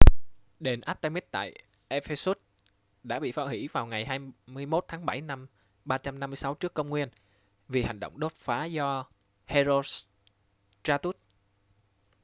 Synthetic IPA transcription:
ɗe˨˩nʔaː˦˥t̪a˧mi˦˥t̚t̪a̰ː˧˨j | ʔe˧fe˧su˦˥t̚ | ɗa̰ː˧˥ɓḭ˧˨faː˧˦˥hwḭ˧˥vaː˨˩wŋa˨˩jɦaː˧jmɨ˧əjmo˦˥t̚t̪ʰaː˨˦ŋɓa˧˩jna˧m | ɓaː˧t͡ɕa˧mna˧mːɨ˧əjsa˨˦wt͡ɕɨ˦˥əkːə˧wŋ͡mŋwi˧ən | vi˨˩ha˨˩jŋ̟ɗo̰˧˨wŋ͡mɗo˦˥t̚faː˨˦zɔ˧ | he˧zo˧ | t͡ɕaː˧t̪u˦˥t̚

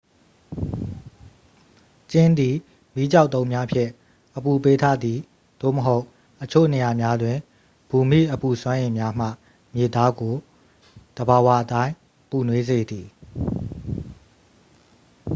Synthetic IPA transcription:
t͡ɕɪ̃˦nd̪i˨ | mi˦d͡ʑa˦ʊʔt̪õ˦ʊ̃mja˦pʰjɪ̰̃˦˨ | ʔəpu˨pe˦tʰa˦d̪ði˨ | d̪̥o̰˦˨məɦo˦ʊʔ | ʔət͡ɕʰo̰˦˨ne˨ja˨mja˦dwɪ̃˨ | b̥u˨mḭ˦˨ʔəpu˨swã˦ʔẽ˨mja˦m̥ä̰˦˨ | mje˨t̪a˦ɡo˨ | d̪̥əba˨wa˦ʔətã˦ɪ̃ | pu˨nwe˦ze˨d̪i˨

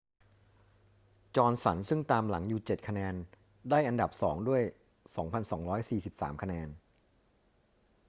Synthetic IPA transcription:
t͡ɕɔː˧nsa̰˩˦nsɯ˥˩ŋt̪aː˧mla˩˦ŋjuː˨˩t͡ɕe˨˩t̪̚kʰa˧nɛː˧n | daː˥˩jʔa˧nda˨˩p̚sɔ̰ː˩˦ŋdu˥˩əj | sɔː˩˦ŋpʰa˧nsɔː˩˦ŋɾɔː˦˥jsiː˨˩si˨˩p̚sa̰ː˩˦mkʰa˧nɛː˧n

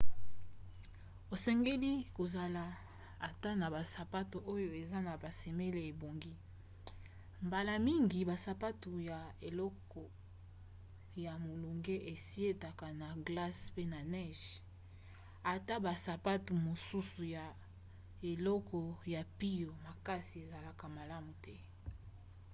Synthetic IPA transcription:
o˨sɛ˦ŋɡe˦li˦ko˨za˨la˨ | a˨ta˦na˨ba˨sa˨pa˦to˨o˦jo˨e˨za˦na˨ba˨se˨me˦le˨e˨bo˨ŋɡi˦ | mba˨la˨mi˦ŋɡi˨ba˨sa˨pa˦tu˨ja˨e˨lɔ˦kɔ˨ | ja˨mo˨lo˨ŋɡe˦ʔe˨si˦e˦ta˨ka˨na˨ɡla˦spe˦na˨nɛ˦ʒ | a˨ta˦ba˨sa˨pa˦tu˨mo˨su˦su˨ja˨ | e˨lɔ˦kɔ˨ja˨pi˦jo˨ma˨ka˦si˨e˨za˨la˨ka˨ma˨la˦mu˨tɛ˦

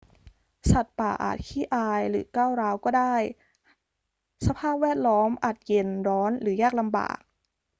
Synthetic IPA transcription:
sa˨˩t̪̚paː˨˩ʔa̰ː˨˩t̪̚kʰiː˥˩ʔaː˧jɾɯː˩˦kaː˥˩wɾaː˦˥wkɔː˥˩daː˥˩j | sa˧pʰaː˥˩p̚wɛː˥˩t̪̚lɔː˦˥mʔaː˨˩t̪̚je˧ndɔː˦˥nɾɯː˩˦jaː˥˩k̚la˧mba̰ː˨˩k̚

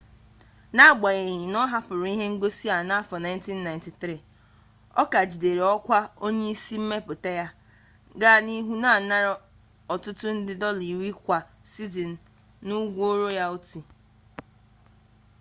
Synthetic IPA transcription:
na˦˨ɡ͡ba˨ɣe˨ɲɪ˨nɔ˦ɦa˦pʊ˨ɾi˦ɦe˦ŋ̩˦ɡo˦si˦a˨na˦fɔ˨na˨ɪ˦n˦ti˦nːa˨ɪ̃˨nti˨tɾi˨ | ɔ̰˦ka˨d͡ʒi˨de˨ɾe˨ɔ˦kʷa˦o˦ɲe˦i˦si˦m̩˦me˦pʊ˨te˦ja˦ | ɡa˦˨ni˦ɦu˦na˦˨na˦ɾa˦ | ɔ˨tʊ˦tʊ˦n̩˦dɪ˦dɔ˦li˨wi˦kʷa˨si˦zi˨n̩˨ | nu˦ɡʷo˦ɾo˦ja˦o˦ti˨

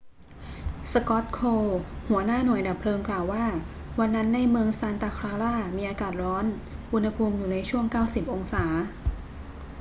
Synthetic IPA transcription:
sa˧kɔ˦˥t̪̚kʰoː˧hu˩˦ɐnaː˥˩nu˨˩əjda˨˩pʰlɤː˧ŋklaː˨˩wːaː˥˩ | wa˧nːa˦˥nːa˧jmɯ˧əŋsaː˧nt̪aː˧kʰɾaː˧ɾaː˥˩miː˧ʔaː˧kaː˨˩t̪̚ɾɔː˦˥n | ʔu˧nha˧pʰuː˧mjuː˨˩na˧jt͡ɕʰu˥˩əŋkaː˥˩wsi˨˩p̚ʔo˧ŋsaː˩˦

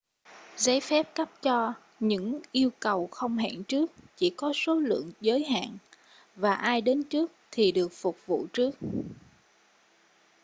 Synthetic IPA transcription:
za˨˦jfɛ˦˥p̚kə˦˥p̚t͡ɕɔ˧ | ɲɨ̰˧˥ŋʔi˧əwkə˨˩wxə˧wŋ͡mɦɛ̰ː˧˨nt͡ɕɨ˦˥ək̚t͡ɕḭ˧˩kɔ˨˦so˨˦lɨ̰˧˨əŋzəː˨˦jɦa̰ː˧˨n | vaː˨˩ʔaː˧jɗe˨˦nt͡ɕɨ˦˥ək̚t̪ʰi˨˩ɗɨ˨˩ək̚fʊ˨˩k͡p̚vṵ˧˨t͡ɕɨ˦˥ək̚

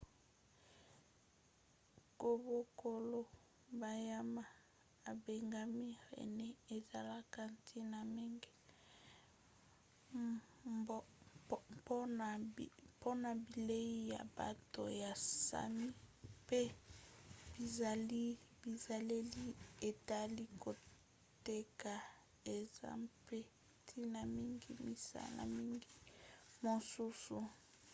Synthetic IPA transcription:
ko˨bo˨ko˨lo˦ | ba˨ja˦ma˦˨ | a˨be˨ŋɡa˦mi˦ʁḛ˨nɛ˦e˨za˨la˦ka˦ntʰi˦na˨me˦ŋɡe˦ | po˦˨po˦na˨bi˨le˦i˦ja̰˨ba̰˨to˨ja˨sa̰˨mi˦pe˦ | b̥i˨za˨li˦bi˨za˨le˦li˦e˨ta˦li˦ko˨ | te˦ka˨ | e˨za̰˦pe˦ | tʰi˦na˨mi˦ŋɡi˦mḭ˨sa̰˦la̰˨mi˦ŋɡi˦mo˨su˦su˨

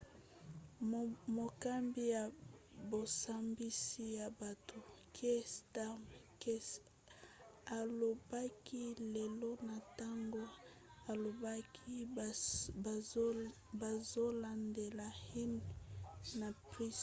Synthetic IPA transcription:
mo˨ka˦mbi˦ja˨bo˨sa˦mbi˦si˦ja˨ba˨tʰo˨kʰe˦sta˦m | ke˦ | a˨lo˨ba˦ki˦le˨lo˦na˨ta˦ŋɡo˦ | a˨lo˨ba˦kʰi˦˨ | ba˨zo˦la˨nde˨la˨hi˦n | na˨pʁi˦s

